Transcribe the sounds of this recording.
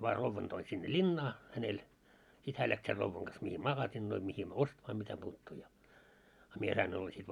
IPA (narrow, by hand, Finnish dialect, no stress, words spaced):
ʋɑː roʋːɑn toin sinːe lʲinːɑː hænel sit hæː læks ser roʋːɑŋ ɡ̊ɑs mihiː mɑɡɑsinːoi mihim ostmɑː mitæpuːtːuː jɑ ɑ mie sɑin olːɑ sit